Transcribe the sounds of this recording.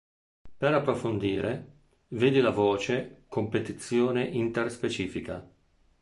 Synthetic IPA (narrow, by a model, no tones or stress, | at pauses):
peɾapːɾofond̪iːɾʔe | veːd̪ilavɔːt͡ʃekompet̪it̪sːjoːneʔint̪erspet͡ʃiːfika̰